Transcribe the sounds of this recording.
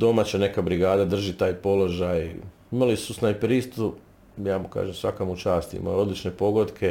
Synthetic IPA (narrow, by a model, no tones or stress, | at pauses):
d̪o̞mat͡ɕane̞kabɾiɡaːd̪ad̪r̩ʒit̪aːjpo̞lo̞ʒaj | imalisusnajpɾist̪u | jaːmuka̰ːʒemsʋakamut͡ʃaːst̪ḭma̰jo̞d̪lit͡ʃne̞po̞ɡo̞d̪kʰe̞